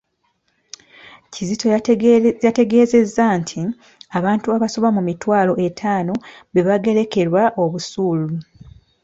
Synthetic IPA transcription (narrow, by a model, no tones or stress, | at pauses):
cizitojate̞ɡe̞ːze̞zːantʰi | aβaːntuaβasoβamumitwaːlo̞ʔe̞tʰaːno̞βeβaɡe̞ɾe̞ke̞ɾwaʔo̞βusuːlu